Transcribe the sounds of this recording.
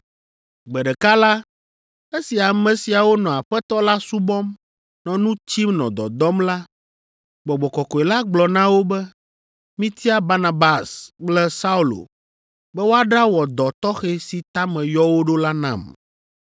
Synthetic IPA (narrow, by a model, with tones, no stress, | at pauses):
ɡ͡bɛ˨ɖɛ˨ka˦la˦ | e˦si˨a˨mɛ̃˨si˨a˨wo˦nɔ̃˨a˨ɸɛ˦t̪ɔ˦la˦su˦bɔ˦m | nɔ̃˨nũ˦t͡ɕi˦mnɔ̰̃˨d̪ɔ̰˨d̪ɔ˦mla˦ | ɡ͡bɔ˨ɡ͡bɔ˨kɔ˨kɔ˨e˨la˦ɡ͡blɔ˨nã˦wo˦bɛ˦ | mĩ˦t̪ʰi˦a˦ba˦na˨ba˨sk͡plɛ˦sa˦u˦lo̰˨ | bɛ˦wo˦a˦ɖa˦wɔ˨d̪ɔ˨t̪ɔ˦xe˦si˨t̪a˦mɛ̃˨jɔ˦wo˦ɖo˦la˦nã̰˦˨m